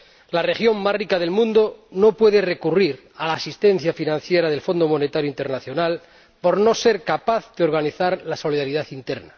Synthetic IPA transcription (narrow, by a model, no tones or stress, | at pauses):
lare̞xjo̞ŋmasrikaðe̞lmũnd̪ono̞pwe̞ðe̞re̞kuriɾ | alaːsist̪ẽ̞n̟θjafinãn̟θje̞ɾaðe̞lfo̞nd̪o̞mo̞ne̞t̪aɾjoint̪eɾnaθjo̞nal | po̞ɾno̞se̞ɾkapaθðeo̞ɾɣaniθaɾlaso̞liðaɾiðaθint̪e̞ɾna